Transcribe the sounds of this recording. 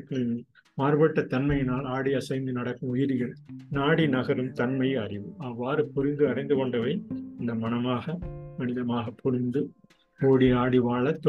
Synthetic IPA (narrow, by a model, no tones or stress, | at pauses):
kː | maːɾbɐʈːɐt̪ːɐnmɐjɪnaːlaːɽiɐsɐɪnd̪ɯnɐɽɐkːɯmʊjɪɾɪjɐɭnaːɽinɐɣɐɾɯmt̪ɐnmɐɪɐrɪʋɯaːʋaːɾɯpːɔɾɪnd̪ɯɐrɐɪnd̪ɯkɔɳɖɐʋɐɪɪnd̪ɐmɐnɐmaːɣɐmɐnɪðɐmaːɣɐpʰɔɾɪnd̪ɯ | oːɽiaːɽiʋaːɭɐt̪ː